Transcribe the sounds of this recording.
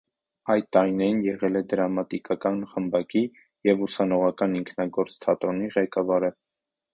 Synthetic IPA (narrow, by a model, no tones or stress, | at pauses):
ɑjt̪̚t̪ɑɾinɛɾinjɛʁɛlɛd̪əɾɑmɑt̪ikɑkɑnχəmbɑki | jɛvusɑnɔʁɑkɑniŋkʰnɑɡɔɾt͡st̪ʰɑt̪ɾɔniʁɛkɑvɑɾə